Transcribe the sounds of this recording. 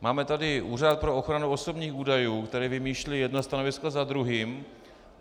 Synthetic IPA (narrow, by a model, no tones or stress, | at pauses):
maːmɛt̪adɪʔuːr̝at̪̚pɾo̞o̞xɾanuo̞so̞bɲiːxuːdajuːkt̪ɛɾɛvɪmiːʃlɪjɛdnast̪ano̞vɪskazad̪ɾuɦiːm